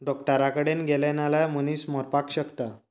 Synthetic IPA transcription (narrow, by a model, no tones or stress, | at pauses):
ɖɔkʈəɾakəɽenɡelenalajm̤əniːsmɔɾpakɕəkt̪a